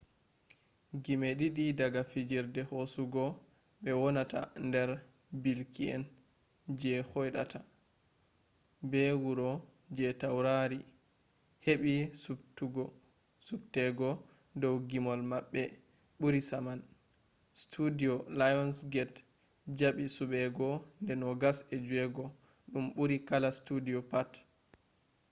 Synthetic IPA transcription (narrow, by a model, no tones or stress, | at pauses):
ɡimeɗiɗidaɡafid͡ʒiɾdɛhosuɡɔ | ɓɛwɔnata̰ndɛɾ | bilkiɛ̰n | d͡ʒɛhɔjɗa̰tʰa | bɛwuɾɔ | d͡ʒɛtawɾaɾi | heɓisutuɡɔ | subtɛɡɔ | dɔwɡimɔlmaɓːɛ | ɓuɾisaman | stʰudiɔlajɔnsɡɛt | d͡ʒaɓisuɓɛɡɔndɛnɔɡasɛd͡ʒuɛɡɔ | ɗumɓuɾikalastudiɔpat